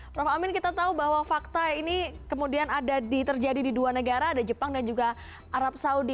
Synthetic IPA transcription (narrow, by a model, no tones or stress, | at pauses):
pɾafamɪnkit̪at̪aubaɦwafak̚t̪ainikəmudianadadit̪ərd͡ʒadididuanəɡaɾaːdad͡ʒəpaŋdand͡ʒuɡa | aɾap̚saudi